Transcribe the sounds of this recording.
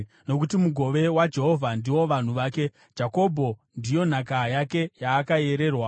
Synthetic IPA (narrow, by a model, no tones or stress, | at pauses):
no̞k̬utimuɡʱo̞ʋe̞wad͡ʒe̞ɦo̞vʱandiwo̞ʋan̤uʋaːke̞̥ | d͡ʒako̞bʱo̞ndijo̞n̤akajake̞jaːkae̞ɾe̞ːrwa